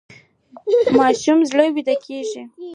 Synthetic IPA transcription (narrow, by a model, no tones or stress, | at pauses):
mɑʃumzləwid̪akʰeʒi